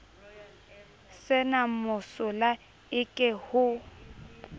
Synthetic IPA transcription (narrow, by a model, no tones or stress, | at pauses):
sɪnamʊsʊla | ɪkʼɛhʊ